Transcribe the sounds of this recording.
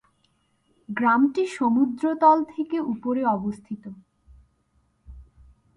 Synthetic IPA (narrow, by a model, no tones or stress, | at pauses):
ɡɾamʈiʃomud̪ɾot̪ɔlt̪ʰekeupoɾeɔbost̪ʰit̪o